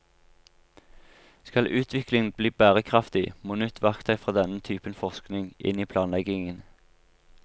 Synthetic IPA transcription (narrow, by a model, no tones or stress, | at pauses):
skɑlʔʉːt̪ʰʋɪklɪŋn̩bliːbæːʁəkʰʁɑft̪ɪmoːnʉt̪ʰʋɑkt̪æɪfʁɑːd̪ɛnət̪ʰyːpənfɔʁsknɪŋʔɪ̰niːpʰlɑːnlɛɡɪŋən